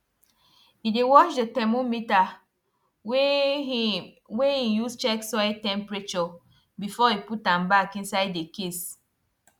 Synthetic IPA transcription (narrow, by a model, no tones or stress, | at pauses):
hidewɔʃdetɛmomita | weijust͡ʃɛksɔɪtɛ̃mpɹet͡ʃɔ | bifɔiputãmbakĩnsaɪdekes